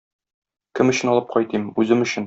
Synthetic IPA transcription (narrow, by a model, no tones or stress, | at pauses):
kɘmɵ̆ɕɘ̆nɒlˠɤp̚qɒjt̪imʉzɘmɵ̆ɕɘn